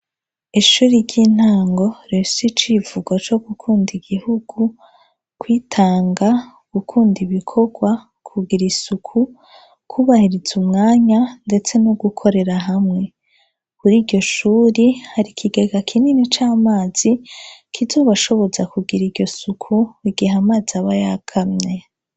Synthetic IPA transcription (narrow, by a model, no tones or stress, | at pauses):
iʃuːɾiɾɟiːn̥haːŋɡo̞ɾesit͡ʃivuɡwat͡ʃo̞ɡ̥ukʰuːndiɡ̥ihuɡ̥u | kwiːtʰaːŋɡa | ɡ̥ukʰuːndiβikʰo̞ɡwa | kʰuɡiɾisukʰu | kʰuβahiɾiz̥umŋaːɲande̞t͡se̞noɡukʰo̞ɾe̞ɾaɦamŋe̞ | kuɾiːɟo̞ʃuːɾihaɾikʰiɡe̞ɡakʰininit͡ʃaːmaːz̥ikʰizo̞ːβaʃo̞βo̞zakuɡiɾiɾɟo̞sukʰuiɡiɦamaːzaβajakʰamɲe̞